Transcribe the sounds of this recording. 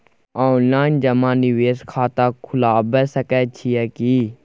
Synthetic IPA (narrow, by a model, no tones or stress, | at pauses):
oːnlaːɪnd͡ʒəmãːdiʋeːskʰaːt̪aːkʰʊlaːbɛːsəkɛːt͡ʃʰiɛːkiː